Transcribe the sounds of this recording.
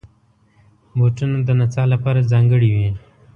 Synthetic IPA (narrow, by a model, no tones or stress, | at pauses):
boːʈunad̪ənat͡saːlapaːɾazɑːŋɡəɽiwĩ